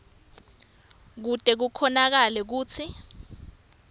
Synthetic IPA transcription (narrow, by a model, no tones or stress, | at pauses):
k̬utʼɛk̬ukʰɔnak̬alɛk̬uːt͡sʰi